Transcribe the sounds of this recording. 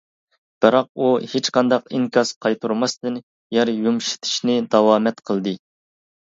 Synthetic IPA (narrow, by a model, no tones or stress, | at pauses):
b̥ɨɾɑq̚uhet͡ʃqʰɑnd̪ɑqiŋkʰʲɑsqʰɑjt̪ʰuɾmɑst̪ɨn | jɛɾjumʃi̥t̪ʰɪ̥ʃnɪd̪ɑwɑːmɛt̪qʰəlˠd̪ɨ